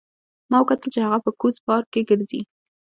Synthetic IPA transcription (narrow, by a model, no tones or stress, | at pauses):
mɑwkat̪əlt͡ʃehaɣapəkuzpɑɾkeɡəɾzḭ